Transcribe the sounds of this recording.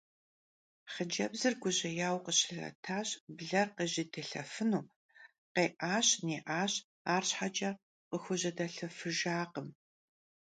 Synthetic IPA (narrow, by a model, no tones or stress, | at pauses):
χəd͡ʒɐbzɨrɡʷʊʑɐjaːwqəɕɪɮɐ̰tʰaːɕbɮɐrqeʑɪdʰɨɬɐ̰fɨnuː | qeːʔaːɕneːʔaːɕ | aːrɕħad͡ʒʼɐ | qəxʷʊʑɐdɐɬɐfɨʒaːqəm